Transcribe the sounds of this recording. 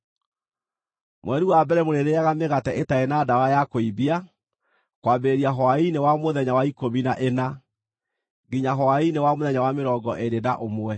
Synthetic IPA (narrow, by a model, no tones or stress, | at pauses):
mwɛɾuwabɛɾɛmoɾeɾeaɣameɣatɛʔetaenadawajakoibia | kwaːbeeɾiaɦɔainewamoðɛɲawaikominaʔena | ɡiɲaɦɔainewamoðɛɲawameɾɔːɡɔʔeɾedaʔomwɛ